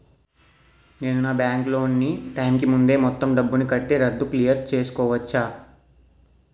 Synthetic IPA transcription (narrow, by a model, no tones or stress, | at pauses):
ne̞ːnunaːbjaːŋklo̞ːnːiʈɐjmkimund̪e̞ːmɔt̪ːɐmɖɐbːunikɐʈːeɾɐd̪ːuklijɐɾt͡ʃe̞ːsu̥kɔːʋɐt͡ʃːaː